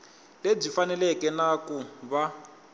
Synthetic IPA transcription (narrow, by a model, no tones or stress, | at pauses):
leb͡ʐifanɛlɛkɛnakuβa